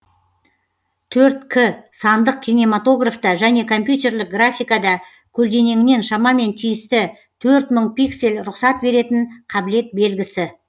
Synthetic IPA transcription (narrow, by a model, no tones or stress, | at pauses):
t̪ʰɵɾt̪kʲʰɪsɑnd̪əq̚kʲʰine̞mat̪o̞ɡraft̪ɑʒæne̞kʰo̞mpjut̪e̞rlɪk̚ɡrafʲijkad̪ɑ | kʲʰɵld̪e̞ne̞ŋɪne̞nʃɑmɑme̞nt̪ʰijɪst̪ɪ | t̪ʰɵɾt̪məɴpikse̞lɾʊqsɑt̪̚be̞ɾe̞t̪ɪnqʰɑbɪle̞t̪̚be̞lɡʲɪsɪ